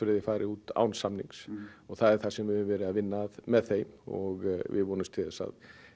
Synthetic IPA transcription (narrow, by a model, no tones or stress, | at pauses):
fɾɪðɪfaːjɾʔɪuːt̪a̰ːwnsamniŋsɔɣθaðɛɾ̥θasɛmvɪhʏvɛːɾɪaðvɪnːaðmɛðθejmɔɣvɪ̰vɔːnʏmst̪ʰɪðasa̰ð